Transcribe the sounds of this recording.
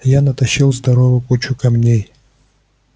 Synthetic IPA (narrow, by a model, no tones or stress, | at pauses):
janɐt̪ɐɕːilˠzd̪ɐɾovəkut͡ɕʊkɐmnʲej